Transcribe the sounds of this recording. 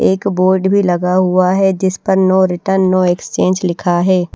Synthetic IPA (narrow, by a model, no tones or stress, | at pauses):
eːkboːɾɖbʱilɐɡaɦʊaɦɛd͡ʒɪspəɾnɔːɾɪʈəɾnːɔːekst͡ʃẽːnd͡ʒlɪkʰaɦɛː